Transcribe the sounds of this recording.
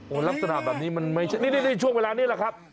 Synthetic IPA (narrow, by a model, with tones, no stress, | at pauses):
ʔoː˨˩la˦˥p̚sa˧na˨˩bɛː˨˩p̚niː˦˥ma˧nma˥˩jt͡ɕʰa˦˩niː˦˥˩ni˥˩na˥˩jt͡ɕʰu˥˩ŋweː˧laː˧niː˥˩la˨˩kʰa˦˥p̚